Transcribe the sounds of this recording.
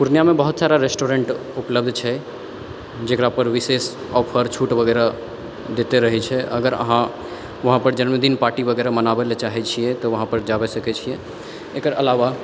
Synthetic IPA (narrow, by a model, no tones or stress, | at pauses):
puɾnijamebəɦut̪saɾaɾesʈoɾeɳʈupləbd̪ʱt͡ʃʰɛ | d͡ʒekɾapəɾʋises | ɔpʰəɾt͡ʃʰuʈbʱəɡɛɾa | d̪et̪eɾəɦɛt͡ʃʰɛʔə̰ɡəɾə̰ɦã | ʋəɦãpəɾd͡ʒənmed̪inpaɾʈibəɡɛɾamənabelet͡ʃaɦɛt͡ʃʰijɛt̪ɔʋəɦãpəɾd͡ʒabɛsəkɛt͡ʃʰijɛ | ekəɾəlaʋa